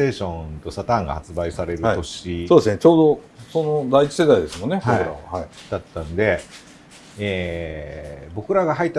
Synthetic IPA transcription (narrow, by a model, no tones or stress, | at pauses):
e̞ːɕõ̞t̪o̞sat̪ãŋɡa̰hat͡sɨbaisaɾe̞ɾɯ̟ao̞ɕisoːd̪esɨnet͡ɕo̞ːd̪o̞ | so̞no̞d̪ait͡ɕi̥se̞d̪aid̪e̞sɨmo̞nːebokiɯ̟ɾa̰βahaid̪̥at̪ːãnod̪e̞ | eː | bo̞kɯ̟ɾaɡaɦait̪ːa